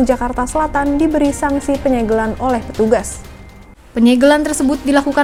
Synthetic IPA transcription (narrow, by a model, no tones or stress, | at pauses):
d͡ʒakart̪asəlat̪andibəɾisaŋsipəɲɛɡəlanolɛhpə̥t̪uɡas | pəɲɛɡəlant̪ərsəbʊt̪̚dilakuka